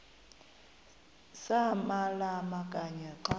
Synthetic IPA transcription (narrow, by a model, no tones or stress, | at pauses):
samalamakʼaɲɛǃa